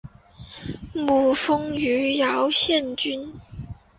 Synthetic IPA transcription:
mu˨˩fɤ˥ŋy˧˥jɑ˧˥˦ʊɕjɛ˥˩nt͡ɕy˥n

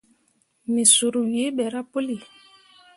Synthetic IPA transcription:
me˨su˨ɾu˨we˦bɛ˨ɾa˦po˦li˨

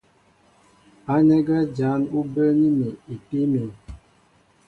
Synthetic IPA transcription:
a˨˦nɛ˦ɡɛ˦d͡ʒa˨˦nu˦bə˦ni˦mi˨i˨pi˦me˨

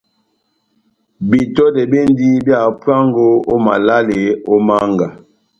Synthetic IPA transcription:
bi˨tɔ˦dɛ˨be˦n˦di˦bja˦˨pwa˦ŋɡo˦o˦ma̰˨la˦le˨o˦ma˦ŋɡa˨

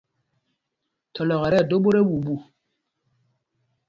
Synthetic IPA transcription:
tʰɔ˨lɔ˨ɣɛ˨ɾɛ˦˨do˦ɓo˦ɾe˦wu˨bu˨

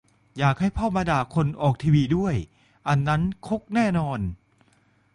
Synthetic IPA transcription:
jaː˨˩k̚ha˥˩jpʰɔː˥˩maː˧daː˨˩kʰo˧nʔɔː˨˩k̚t̪ʰiː˧wiː˧du˥˩əj | ʔa˧nːa˦˥nkʰo˦˥k̚nɛː˥˩nɔː˧n

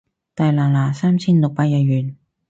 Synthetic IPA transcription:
t̪aː˨˩jlaː˨˩laː˨˩saː˥mt͡sʰiː˥nlʊ˨k̚paː˧˩jɐ˧ɥyː˨˩n

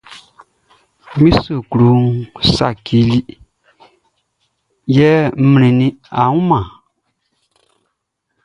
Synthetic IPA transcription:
mĩ˦so˨ku˨lu˨˦ŋsa̰˨ki˨˦li˦ | jɛː˦mĩ˨nĩ˨nĩ˦a˨ŋũ˦mã˨

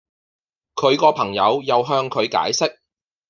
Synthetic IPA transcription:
kʰɵ˨˧ɥkɔː˧pʰɐ˨˩ŋjɐ˨˧wjɐ˨wɦœː˧ŋkʰɵ˨˧ɥka̰ː˨˥jsɪ˥k̚

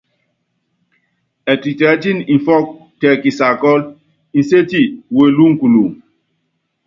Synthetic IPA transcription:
ɛ˨ti˨tɛ˨˦ti˦nĩ˨fɔ˦k̚ | tɛ˨ki˨sa˨kɔ˦l | ĩ˨nse˦ti˦˨we˨lu˦ŋ˦ku˨lu˨

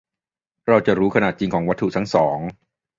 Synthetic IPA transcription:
ɾa˧wt͡ɕa˨˩ɾuː˦˥kʰa˧naː˨˩t̪̚t͡ɕi˧ŋkʰɔː˩˦ŋwa˦˥t̪ʰːu˨˩t̪ʰa˦˥ŋsɔː˩˦ŋ

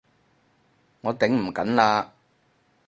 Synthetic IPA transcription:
ŋɔː˨˧t̪ɪ˨˥ŋm̩˨˩kɐ˨˥nlaː˧

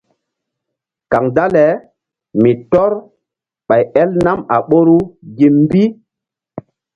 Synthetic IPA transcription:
ka˨ŋda˦lɛ˨ | mi˨tɔ˦ɾ | ɓa˨jɛ˦lna˦ma˨ɓo˦ɾu˦ɡi˨mm˦bi˦

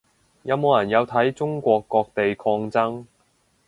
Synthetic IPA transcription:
jɐ˨˧wmo˨˧wjɐ˨˩njɐ˨˧wt̪ʰɐ˨˥jt͡sʊ˥ŋkʷɔː˧kːɔː˧k̚t̪e˨jkʰɔː˧ŋt͡sɐ˥ŋ

